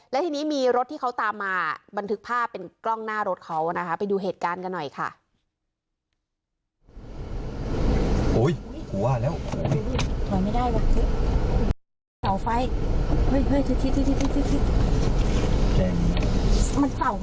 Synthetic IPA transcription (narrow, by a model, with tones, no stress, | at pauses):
lɛ˦˥t̪ʰiː˧niː˦˥miː˧ɾo˦˥t̪̚ʰːiː˥˩kʰa˦˥wt̪aː˧mːaː˧ba˧nt̪ʰɯ˦˥k̚pʰaː˥˩pːe˧nklɔ˥˩ŋnaː˥˩ɾo˦˥t̪̚kʰa˦˥wa˨˩na˦˥kʰa˦˥pa˧jduː˧ɦeː˨˩t̪̚kaː˧nka˧nːɔ˨˩jkʰa̰˥˩ | ʔoː˦˥˩jku˨˩˦ɐ˧lɛː˦˥˩wʰɔ˨˦ma˥˩luː˥˩t̪ʰɔ˨˩˦jma˥˩jda˥˩jbɔ˨˩p̚t̪ʰi˦˥˧ | sa˨˩wfa˧˥jhɤ˦˥˩jhɤ˧˥˩jt̪ʰɯ˧˥t̪ʰi˧˥t̪ʰi˧˥t̪ʰi˧˥t̪ʰi˥t̪ʰi˧˥t̪ʰi˧˥t̪̚ | t͡ɕɛː˧˩ŋ˥ma˧nsa˨˩w